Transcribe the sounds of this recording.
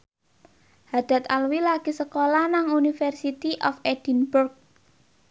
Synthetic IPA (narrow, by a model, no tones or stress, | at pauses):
had̪̥a̤t̪alwilaɡ̥isəkolanaŋunifɛrsit̪iʔɔfed̥i̤nburk̚